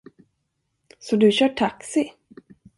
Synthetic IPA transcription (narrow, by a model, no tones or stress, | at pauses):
sɔd̪ɵɕœːʈʰaksɪ